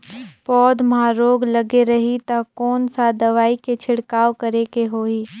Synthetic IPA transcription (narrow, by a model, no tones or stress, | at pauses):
pɔːd̪maːɾoːɡlɐɡeɾɐɦit̪ɐkɔːnsad̪ɐʋaːiket͡ʃʰɪɽkaːʋkɐɾekeɦoːiː